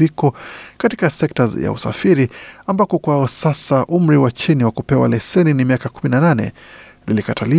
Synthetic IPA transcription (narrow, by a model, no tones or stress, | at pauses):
ikɔkatikasɛktaja̰ṵsa̰fiɾiambakɔkwaɔsasaʔum̩ɾiwat͡ʃiniwakupɛwa̰lɛsɛninimiakakuminananɛ̰ | lilikatʰali